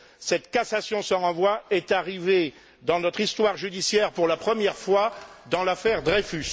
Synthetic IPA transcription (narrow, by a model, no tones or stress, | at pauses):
sɛt̪kasasjɔ̃səʁɑ̃vwaɛt̪aʁive | d̪ɑ̃nɔt̪χist̪waʁʒyd̪isjɛʁpuʁlapχəmjɛʁfwad̪ɑ̃lafɛʁd̪ʁefys